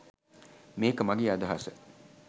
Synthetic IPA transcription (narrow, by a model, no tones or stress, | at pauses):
meːkəmɐɡiːad̪ɐɦasə